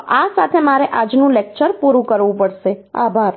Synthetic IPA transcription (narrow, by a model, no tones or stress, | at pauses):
ʔasat̪ʰemaɾeʔad͡ʒnũlek̚t͡ʃəɾpuɾũkəɾʋũpəɽʃea̰bʱaɾ